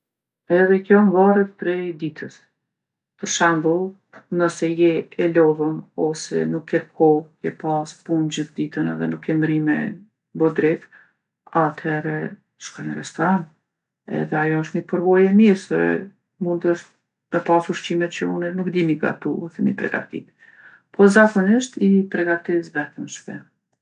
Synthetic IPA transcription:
ɛðɛkjɔɱvaɾət̪̚pɾɛd̪it̪ʰəs | pəɾʃɛmbu | nəsɛjɛɛlɔvəmɔsɛ̰nukʰːɛkʰɔkɛpaspund͡ʑəθd̪it̪ənɛðɛnukːɛmɾimɛ̰ | bɔd̪ɾɛt̪ | at̪hɛɾɛ | t͡ʃkanəɾɛst̪ɔɾan | ɛ̰ðɛajɔəʃt̪mipəɾvɔjɛmiɾsɛ̰ | mund̪əʃt̪̚ | mɛpasuɾʃt͡ɕimɛt̪t͡ɕəunɛnukd̪imiɡa̰t̪uθɛmipɾɛ̰ɡa̰t̪ḭt̪ | pʰɔzakɔniʃt̪ipɾɛɡat̪isvɛt̪əmʃpɛ̰

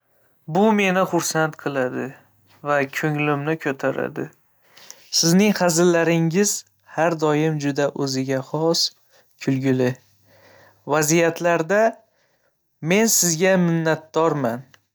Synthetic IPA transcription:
bʊme̞nɪχʊɾsant̪qʰɨlˠad̪ɪ | vakʲʰɵŋlɪmnɪkʲʰɵt̪ʰaɾa̰d̪ɪ̰ | sɪznɪŋχɑzɪlːaɾɪŋɪz̥ | haɾd̪ɒjɪmd͡ʒʊd̪aʔɵzɪɡʲaχɒs | kʲʰʊlɡʲʊlɪ | vazijat̪ʰlaɾd̪a | me̞nsɪzɡʲamɪnːat̪̚d̪ɒɾman

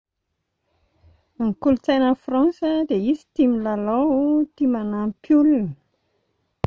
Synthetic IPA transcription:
ŋkulut͡sajnəfrɑ̃nsəd̪eisi̥t̪imilalot̪imanampʰjulun

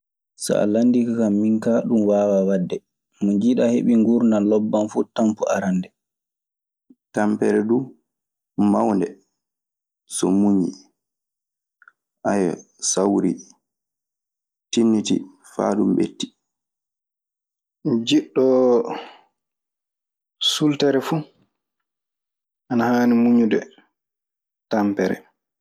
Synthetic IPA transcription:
sa̰a̰landikakamːiŋkaɗumwaːwawadːɛ | muɲd͡ʒiɗaheɓiŋɡuɾnalɔbːanfuːtampuʔaɾandɛ | tampɛɾɛdu | mawndɛ | sɔmuɲi | ʔajɔ̰ | sawɾḭ | tinːitḭ | fa̰ːdumbḛtːi̥ | d͡ʒiɗːɔ | sultaɾɛfu | ʔanahanimuɲudɛ | tampɛɾɛ̰

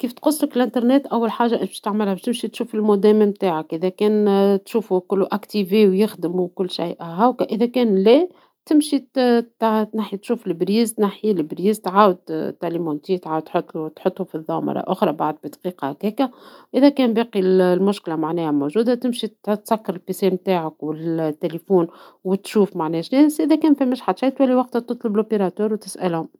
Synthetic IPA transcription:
kiːft̪qʊsˤːləkɪlʔɪnt̪ɑɾˤnɛːt̪ʔæwːalħaːʒaʔɪbɪ̥ʃt̪aʕmɪlhæbɪʃt̪ɪmʃit̪ʃuːfɪlmʊd̪ɛːməmt̪aːʕakʔɪðækɛːnt̪ʃuːfukʊlːuʔækt̪iviːwjɪxd̪əmukʊlːʃajʔɦawkæʔɪðækɛːnlɛː | t̪ɪmʃit̪t̪naħit̪ʃuːflɪbɾiːzt̪naħilɪbɾiːzt̪ʕaːwəd̪̚t̪ːælimont̪iːt̪ʕaːwd̪t̪ħot̪ˤːlut̪ħʊt̪ˤːufiðˤːɑːmɑ̰ɾˤɑ̰ʔʊxɾˤɑbaʕd̪̚bid̪qiːqɑhkɛːkæʔɪðækɛːnbeːqillmʊʃklamaʕnɛːhæmoʒuːd̪at̪ɪmʃit̪t̪sækːɑɾɪlfisɛːmbt̪aːʕəkwɪlt̪ːelefuːn | wɪt̪ʃuːfmaʕnɛːʃnɛːsʔɪðækɛːnfimɪʃħad̪ʃajt̪wælːiwɑq̚t̪hat̪ot̪ˤlɑbɪlopeɾˤɑt̪uːɾwt̪ɪsʔælhʊm

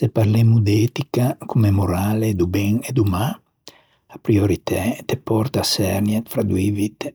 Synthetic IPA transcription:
sepaɾlemud̪ɛt̪ikakʰumemoɾaled̪ubɛŋed̪uma | apɾioɾit̪ʰɛt̪epɔrt̪asɛɾnjat̪fɾad̪wivit̪

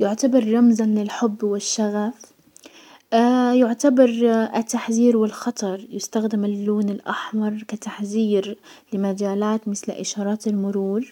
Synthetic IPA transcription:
jʊʕt̪abɑɾˤːɑmzanlɪlħʊbːwɪʃːaɣaf | ajʊʕt̪abɑɾˤʔɪt̪ːaħziːɾwɪlxɑt̪ˤɑɾˤjʊst̪axd̪ɪmɪlːuːnɪlʔaħmɑɾˤkat̪aħziːɾlɪmad͡ʒaːlaːt̪mɪθlʔɪ̰ʃɑːɾˤɑːt̪ɪlmʊɾuːl

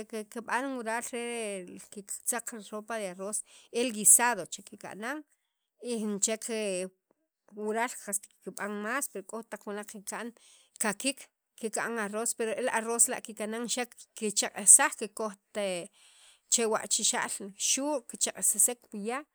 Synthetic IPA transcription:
kekiɓanwuɾalɾekit͡saq͡χɾɾopaðearoselɡisaðot͡ʃekika̰ʔnaŋ | int͡ʃekʰ | wuɾalqast̪i̥kkiɓaŋmaːspeɾokʼoxt̪aq͡χwinaq͡χkikaʔn | kakik | kika̰ʔŋarospeɾoelarosla̰ʔkikanaŋʃakkit͡ʃaqʼesaχkikoχt̪e | t͡ʃewa̰ʔt͡ʃiʃa̰ʔlʃuːʔkit͡ʃaqʼesasekpija

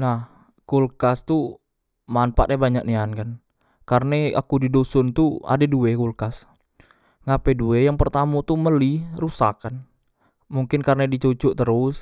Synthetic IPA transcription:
nah | kulkast̪u | manpa̰ʔɛbaɲak̚niankan | karnea̰kudidosɔnt̪ua̰deduekulkas | ŋapɛduejaŋpərt̪amot̪uməlirusakan | muŋkɪnkarnadit͡ʃot͡ʃɔʔt̪əɾʊs

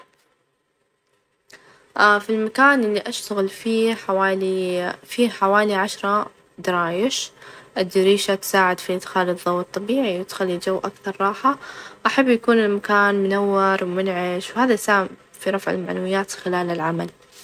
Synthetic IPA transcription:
ʔafilmakaːnʔɪlːiʔaʃt̪aɣɪlfiːawaːlifiːħawaːliʕaʃɾˤɑ | d̪ɑɾˤɑːjɪʃʔɪd̪ːɪɾiːʃat̪saːʕɪd̪fiʔɪd̪xaːlɨðˤːɑwːɨt̪ˤːɑbiːʕiwɪt̪xalːid͡ʒawːʔakθɑɾˤːɑːħaʔaħabːjakuːnɪlmakaːnmʊnawːɪɾˤwmʊnʕɪʃwhaːðasaː | fiɾˤɑfʕɪ̰lmaʕnawɪjːaːt̪xɪlaːlɪlʕamal

